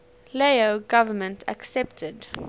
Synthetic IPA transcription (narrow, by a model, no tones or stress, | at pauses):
leoɡavəmə̃ntʰa̰ksɛp̚tʰəd